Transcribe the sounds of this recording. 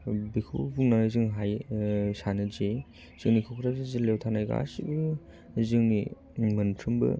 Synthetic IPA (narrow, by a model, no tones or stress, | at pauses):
bikʰo̰buŋnanɯzɯŋɦajsanɯze | z̥ɯŋnikʰowkʰɾʰazezilewtʰanajɡa̰sibɯ | zɯŋni | mɯntʰɾɯmbɯ̰